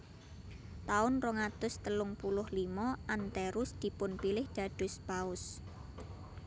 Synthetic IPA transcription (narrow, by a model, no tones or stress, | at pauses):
t̪aʊnroŋat̪ʊst̪əlʊŋpulʊhlimɔʔant̪ɛɾʊsd̪̥i̤pʊnpilɪhd̪̥a̤ɖ̥ʊ̤spaʊs